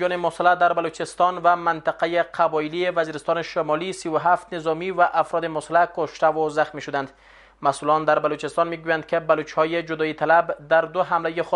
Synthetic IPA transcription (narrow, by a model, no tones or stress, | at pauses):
ɔnemosalːad̪aɾbalut͡ʃɪst̪ɔnvamant̪aqajeqʰabɒɪlievaziɾɪst̪ɔneʃomɒlisiwʊɦaft̪nezɔmivaʔafɾɔd̪emʊsalːakoʃt̪awozaxmiʃʊd̪and̪ | masulɔnd̪aɾbalut͡ʃɪst̪ɔnmiɡujand̪̚kebalut͡ʃhɔjed͡ʒʊd̪ɒit̪ʰalabd̪aɾd̪ʊɦamlajex